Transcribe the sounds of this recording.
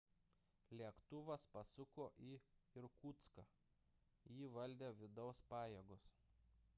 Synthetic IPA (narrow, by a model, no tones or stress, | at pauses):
lʲiɛkt̪ʊʋɐspɐsʊkoːʔiːɪɾkuːt̪skɑ | jiːʋɐlʲd̪ʲeːʋʲɪd̪ɒʊspɑːjeːɡʊs